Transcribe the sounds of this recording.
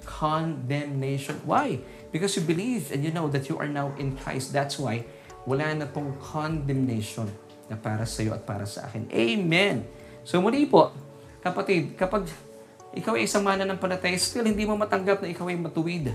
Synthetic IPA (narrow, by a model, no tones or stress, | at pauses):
kʰond̪ɛmnejʃonwaj | b̥ɪkɔsjubɪlivɛ̃njunowðɐt̪juʔɐ̰ɹnawʔɪ̃nkʰɹa̰jst̪̚d̪æt̪swaj | wɐlaːnɐpoŋkʰond̪ɛmnejʃonː | ɐpaːɾɐsɐjo̞ʔɐ̰t̪̚pa̰ːɾɐsɐ̰ʔa̰ːkɪnʔejmɛn | sowmʊlipo̞ʔ | kɐpɐt̪id̪̚kɐpaɡ̚ | ʔɪkawɐjsɐmaːnɐnɐŋpɐnɐt̪ajast̪ɪlhɪ̃nd̪imomɐt̪ɐŋɡap̚nɐʔɪkawɐjmɐt̪ʊwɪd̪